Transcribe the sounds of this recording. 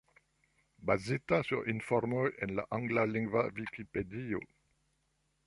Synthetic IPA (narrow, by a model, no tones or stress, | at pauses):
bazit̪asyʁinfɔʁmɔjɛnla̰ʔãŋɡlaliŋɡvavikiped̪io̰